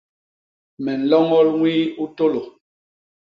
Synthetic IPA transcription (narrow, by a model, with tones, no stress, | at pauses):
mɛ˨n̩˨lɔ˦ŋɔ˦lŋwiː˦u˦to˦lo˨